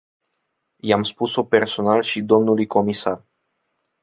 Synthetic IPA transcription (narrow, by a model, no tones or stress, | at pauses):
jamspuso̞pe̞rso̞nalʃid̪o̞mnulujko̞misar